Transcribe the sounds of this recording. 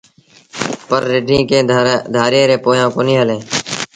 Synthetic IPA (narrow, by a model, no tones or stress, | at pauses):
pəɾːɪɖʱĩːkẽːd̪ʱaːɾẽːɾẽːpoːjãːkoːniːɦəlẽː